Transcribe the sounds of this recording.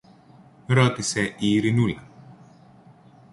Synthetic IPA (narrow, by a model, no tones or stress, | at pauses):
ɾɔt̪isɛʔiːɾinula